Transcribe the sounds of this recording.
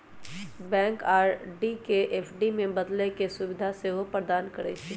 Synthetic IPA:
bɛ̃ːŋkaːɾɖikeʔeːpʰɖimẽbɐd̪lekesʊʋɪd̪ʱaseɦopɾəd̪aːnkɐɾɛ̰t͡ʃʰi

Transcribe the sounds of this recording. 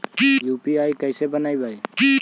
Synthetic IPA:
jupiajkəjsebənajbʱaj

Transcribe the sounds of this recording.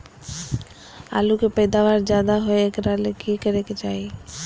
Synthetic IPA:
a̰ːlukepəːd̪aːʋaːɾd͡ʒjaːd̪aɦoeekɾalekikəɾeket͡ʃaːeː

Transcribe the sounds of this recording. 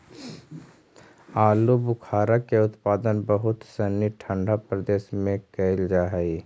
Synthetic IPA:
aːlubʊkʰaːɾakeʊt̪paːd̪ənbəɦʊt̪səniʈʰə̃ɳɖʱapɾəd̪eːʃmẽkəld͡ʒaːɦɛi

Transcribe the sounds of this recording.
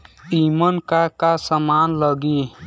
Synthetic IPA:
imənkakasəmaːnləɡi

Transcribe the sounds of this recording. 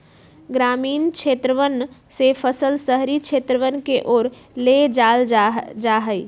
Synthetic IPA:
ɡɾamiːnt͡ʃʰet̪ɾəʋənsepʰəsəlsəɦɾit͡ʃʰet̪ɾəʋənkeʔoɾ | led͡ʒald͡ʒaɦəj

